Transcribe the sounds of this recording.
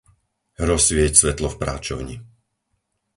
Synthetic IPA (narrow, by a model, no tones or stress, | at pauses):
ɾɔsʋɪɛcsʋɛt̪lɔfpɾa̰ːt͡ʃɔ̰ʊɲi